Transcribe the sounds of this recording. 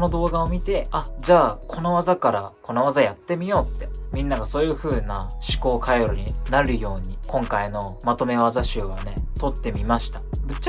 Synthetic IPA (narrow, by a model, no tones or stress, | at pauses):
no̞d̪o̞ːɡaomʲit̪e̞ad͡ʑaːkʰo̞no̞βazakaɾa̰ko̞no̞β̞azajat̪ːe̞mʲijo̞ːt̪ːe̞mʲĩnːaɡaso̞ːjɯ̟ɸɯ̟ːnaɕi̥ko̞ːkʰajoɾoɲ̟inaɾɯ̟jo̞ːɲ̟ikõ̞ŋkaino̞ | mat̪o̞me̞βazaɕɨːɡane̞t̪o̞t̪ːe̞mʲimaɕi̥t̪ḁbɯ̟t͡ɕː